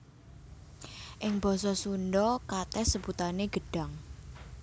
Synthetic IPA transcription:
ʔɪŋb̥ɔ̤sɔsunɖɔkat̪ɛsəb̥ut̪aneɡ̥ə̤ɖ̥ä̤ŋ

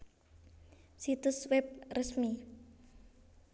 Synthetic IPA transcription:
sit̪ʊswɛp̚rəsmi

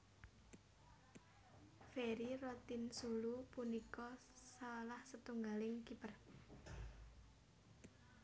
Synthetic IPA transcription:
feɾirɔt̪insulupunikɔ | salahsət̪uŋɡalɪŋkipər

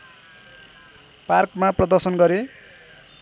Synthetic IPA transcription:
parkmaprʌd̪ʌrsʌnɡʌɾe

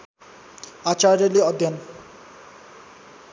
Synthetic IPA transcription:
at͡ɕaɾeliɔd̪ʱjan

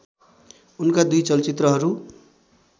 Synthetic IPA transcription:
unkad̪ujt͡sʌlt͡sit̪rʌɦʌɾu

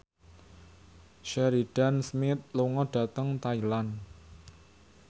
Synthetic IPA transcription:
ʃɛɾid̥a̤nsmɪt̪̚luŋɔɖ̥a̤t̪əŋt̪ailan

